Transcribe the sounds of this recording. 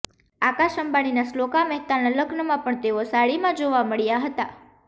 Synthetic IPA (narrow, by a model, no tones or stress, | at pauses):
akaʃəmbaɽ̃inaslokaməɦt̪analəɡnəmãpəɳt̪eosaɭimãd͡ʒoʋaməɭjaɦət̪a